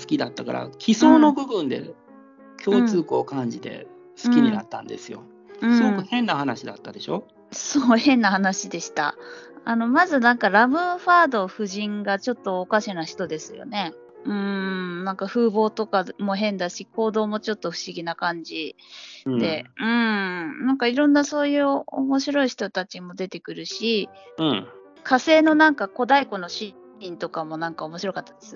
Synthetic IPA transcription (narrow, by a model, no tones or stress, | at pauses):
sɨ̥kʲid̪at̪ːaka̰ɾa̰kʲʰiso̞ːno̞bɯ̟bɯ̟̃nd̪e̞̰ | kʲo̞ːt͡sɨːkoːkãɲ̟d͡ʑit̪e̞̰ | sɨ̥kʲiɲ̟inat̪ːãnd̪e̞̰sɨjo̞̰ | ɯsɨ̃ɡo̞kɯ̟hẽ̞nːahanaɕid̪at̪ːad̪e̞ɕo̞ | soːhẽ̞nːahanaɕid̪e̞ɕi̥t̪a̰ano̞mazɨnãŋkaɾamɯ̟ɸaːd̪o̞ɸɯ̟ʑĩŋɡat͡ɕo̞t̪ːo̞ːkaɕinaçi̥t̪o̞d̪e̞sɨjo̞̰ne̞ | ɯ̟̃nãŋkaɸɯ̟ːbo̞ːt̪o̞kamo̞ɦẽ̞nd̪aɕikʰo̞ːd̪o̞ːmo̞t͡ɕo̞t̪ːo̞ɸɯ̟̥ɕiɡʲinakãɲ̟d͡ʑid̪̥e̞ɯ̟̃ɴnãŋkaiɾõ̞nːaso̞ːjɯ̟ːo̰mo̞ɕiɾo̞içi̥t̪o̞t̪at͡ɕimo̞d̪e̞t̪e̞kɯ̟ɾɯ̟ɕi | kʰase̞ːno̞nãŋkako̞d̪aiko̞no̞ɕi | ĩnt̪o̞kamo̞nãŋkao̞mo̞ɕiɾo̞kat̪ːad̪e̞sɨ